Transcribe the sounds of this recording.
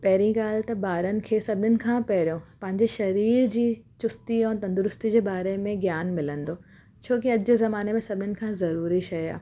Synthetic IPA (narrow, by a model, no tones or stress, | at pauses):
pɛɦɪɾĩɡaːlt̪ɐbaːɾənɪ̆kʰeːsɐbʱɪnɪnɪ̆kʰãːpɛɦɾijõpɐ̃ɦɪ̃ɲd͡ʑeʃɐɾiːɾd͡ʑiːt͡ɕʊst̪iɛ̃ːt̪ɐ̃nd̪ʊɾʊst̪id͡ʑeːbaːɾemẽɡjaːnmɪlə̃nd̪oː | t͡ɕʰoːk̬iɐd͡ʑezɐmaːnemẽsɐbʱɪnɪnɪ̆kʰãːzɐɾuːɾiʃɐa̰ː